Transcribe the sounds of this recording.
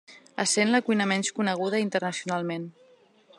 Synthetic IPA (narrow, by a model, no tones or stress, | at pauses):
əsenləkujnəmɛnskunəɣ̞uðəint̪ərnəsiunalˠmen